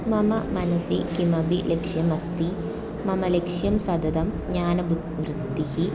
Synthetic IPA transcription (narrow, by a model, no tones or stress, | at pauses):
mɐmɐmɐnɐsikimɐbilekʂjɐmɐst̪i | mɐmɐlekʂjɐmsɐd̪ɐd̪ɐm | ɲaːnɐb | ʋrɨd̪ihi